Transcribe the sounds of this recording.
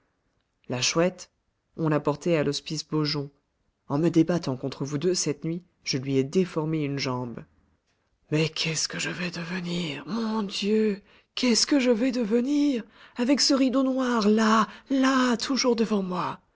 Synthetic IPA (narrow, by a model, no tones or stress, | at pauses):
laʃwɛt̪ | ɔ̃lapɔʁt̪ealɔspisboʒɔ̃ | ɑ̃məd̪ebat̪ɑ̃kɔ̃t̪χəvud̪øsɛt̪nɥi | ʒ̥əlɥiɛd̪efɔʁmeynʒɑ̃b | mɛkʲʰɛskəʒəvɛd̪əvəniʁmɔ̃d̪jø | kʲɛskəʒəvɛd̪əvəniʁavɛksəʁid̪õnwaʁlalat̪ʰuʒuʁd̪əvɑ̃mwa